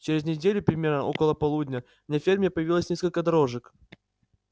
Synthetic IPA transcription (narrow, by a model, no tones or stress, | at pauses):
t͡ɕɪɾʲɪznʲɪdʲelʲʊpɾʲɪmʲe̞rnəo̞kəlˠəpɐlˠudʲnʲə | mnʲafʲermʲɪɪpəjɪvʲilˠəsʲnʲeskəlʲkəd̪ɐɾo̞ʐɨk